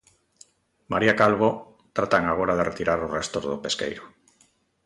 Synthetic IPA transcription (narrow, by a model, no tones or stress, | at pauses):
maɾiakalβ̞o | t̪ɾat̪aŋaɣ̞oɾaðeret̪iɾaɾorest̪ozðopeskḛjɾʊ